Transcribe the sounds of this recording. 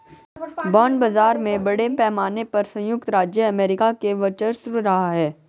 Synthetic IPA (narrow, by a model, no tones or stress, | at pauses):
bɔ̃ːɳɖbɐzaːɾmẽbɐɽepɛːmaːnepɐɾsɐ̃jʊk̚t̪ɾaːd͡ʒjəɐmeːɾɪkakeʋɐt͡ʃəɾsʊɾɾɐɦaɦɛː